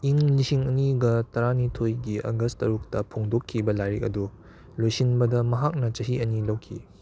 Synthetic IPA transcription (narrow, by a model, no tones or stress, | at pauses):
iŋlisiŋɐniɡɐtɐɾanitʰojɡiʔɐ̰ɡɐstɐɾuk̚tɐpʰoŋdokʰːibɐlajɾek̚ɐ̰du | lojsinbɐdɐmɐɦak̚nɐt͡ʃɐɦiɐnilɐwkʰḭ